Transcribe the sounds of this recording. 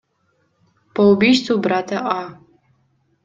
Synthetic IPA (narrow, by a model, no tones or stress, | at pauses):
pʰaubiʃt͡sʰubratʰaʔa